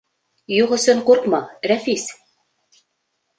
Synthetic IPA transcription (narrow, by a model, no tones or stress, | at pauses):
juʁɵ̆sɵ̆ɴquɾqmɑɾæfis